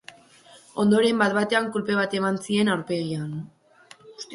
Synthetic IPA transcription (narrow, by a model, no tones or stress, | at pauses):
o̞̰nd̪o̞ɾe̞mbat̪̚βat̪e̞aŋkulpe̞β̞at̪e̞mant͡sie̞nawɾpe̞ɣian | us